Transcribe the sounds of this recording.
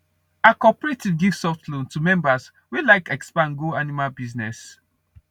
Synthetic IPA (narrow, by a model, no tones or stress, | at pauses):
akɔpəɹetivɡiv̥sɔftlõntumɛ̃mbaz | wilaɪkɛkspãnɡoanimabiznɛs